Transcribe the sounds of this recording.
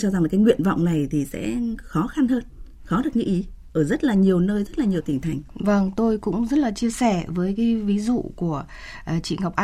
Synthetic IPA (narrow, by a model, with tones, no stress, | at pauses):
t͡ɕɔ˧za˨˩ŋlaː˨˩kaː˨˦jŋwḭ˧˨ənva̰˧˨wŋ͡mna˨˩jt̪ʰi˨˩sɛ̰˧˥xɔ˨˦xa˧nhəː˧n | xɔ˨˦ɗɨ˨˩ək̚ɲɨ̰˧˥ʔi˨˦ | ʔəː˧˩zə˦˥t̚laː˨˩ɲi˨˩əwnəː˧jzə˦˥t̚laː˨˩ɲi˨˩əwt̪ï˧˩ŋt̪ʰa˨˩jŋ̟və˧ŋt̪o˧jkʊ̰˧˥ŋ͡mzə˦˥t̚laː˨˩t͡ɕi˧əsɛ˧˩vəː˨˦jkaː˨˦jvi˨˦zṵ˧˨ku˧˩ə˨˩ | t͡ɕḭ˧˨ŋa˨˩wk͡p̚ʔa˧